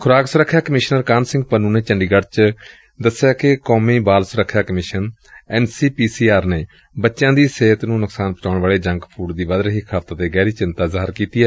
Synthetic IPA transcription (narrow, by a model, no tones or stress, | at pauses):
kʰʊɾaːksʊɾəkʰːjaːkəmɪːʃnəɾkaːnsɪ̃ŋɡ̚pənũːneːt͡ʃəɳɖiːɡəɽt͡ʃ | d̪əsjaːkɪkoːmĩːbaːlsʊɾəkʰːjaːkəmɪʃən | ɛːnsiːpiːsiːaːɾneː | bətːʃjãːd̪iːseːt̪nũːnʊksaːnpət͡ʃaːɳʋaːɭeːd͡ʒəŋɡpʰuːʈd̪iːʋəd̪ɾɦikʰaːft̪aːt̪eːɡɛːɾiːt͡ʃɪnt̪aːzaːɦəɾkiːt̪iːɛː